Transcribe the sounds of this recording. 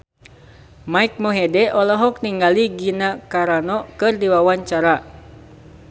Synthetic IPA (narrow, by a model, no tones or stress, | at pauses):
maik̚moɦɛdɛʔɔlɔɦɔk̚niŋɡaliɡinakaɾanɔkɨrdiwawaɲt͡ʃaɾa